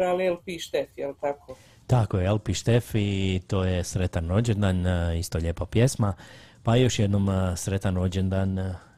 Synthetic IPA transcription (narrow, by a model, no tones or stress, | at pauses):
ɾalelpiʃt̪efjelt̪akʰoː | t̪akojeelpiʃt̪efit̪o̞ːjesɾet̪anɾod͡ʑend̪anist̪oʎeːpapje̞smapajo̞ʃjed̪no̞msɾe̞t̪ano̞d͡ʒend̪an